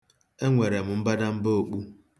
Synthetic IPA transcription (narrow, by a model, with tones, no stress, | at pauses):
e˦ŋʷe˨ɾe˨m̩˨m̩˦ba˦da˦m̩˦bo˦o˦k͡pu˦